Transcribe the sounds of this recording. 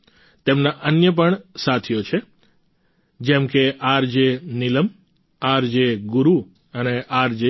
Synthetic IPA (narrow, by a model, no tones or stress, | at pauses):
t̪emnaʔənjəp̬əɳsat̪ʰijot͡ʃʰe | d͡ʒɛ̃mkeʔaɾd͡ʒeniləm | aɾd͡ʒeɡʊɾu | əneʔaɾd͡ʒe